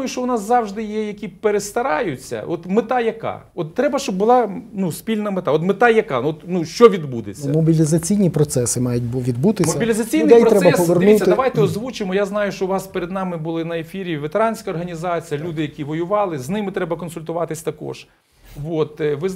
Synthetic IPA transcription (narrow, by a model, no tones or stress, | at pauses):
jʊʃt͡ʃɔʊnɑszɑʋʒd̪ɪjɛjɐkʲipeɾest̪ɐɾɑjʊt͡sʲːɐ̰ʔɔt̪mɪt̪ɑjɐkɑ̰ | ɔt̪ːɾɛbɐʃt͡ʃɔbːʊlˠɑnuspʲilʲnɐmet̪ɑɔt̪mɪt̪ɑjɐkɑɔt̪nuʃt͡ʃɔʋʲid̪bud̪et͡sʲːɐmɔbʲilʲizɐt͡sʲijnʲipɾɔt̪sɛsɪmɑjʊt̚ʲʋʲid̪but̪ɪmɔilʲizɐt͡sʲijnɪɛjɔt̪ɾɛbɐɔʋɔrnusʲːɐd̪ɐʋajt̪ɛɔzʋut͡ʃɪmɔjaznɑjʊʃt͡ʃɔʋɑspeɾed̪nɑmɪbʊlˠɪnɐefʲiɾʲiʋet̪eɾɑnʲsʲkɐɔrɦɐnʲizɑt͡sʲijɐlʲud̪ɪjɐkʲiʋɔjʊʋɑlˠɪznɪmɪt̪ɾɛbɐkɔnsʊlʲt̪ʊʋɑt̪ɪsʲt̪ɐkɔ̰ʒ̥ | ʋot̪ʋɪz